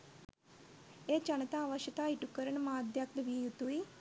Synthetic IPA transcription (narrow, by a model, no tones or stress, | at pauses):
eːt͡ʃɐnt̪aːʋəʃət̪aːiʈukːəɾənmãːd̪jək̚t̪ʋiːjut̪uːiː